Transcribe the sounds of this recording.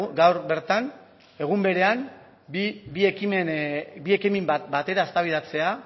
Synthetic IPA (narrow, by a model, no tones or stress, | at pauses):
ɡawɾbe̞ɾt̪an | e̞ɣ̞umbe̞ɾe̞an | bbiekimenbie̞kimimt̪bat̪e̞ɾaest̪aβ̞ið̞at͡se̞a